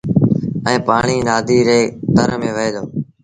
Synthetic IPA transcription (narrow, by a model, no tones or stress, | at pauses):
əɛ̃ːpaːɳiːnaːd̪ʱiːɾeːt̪əɾmẽːʋəeːd̪oː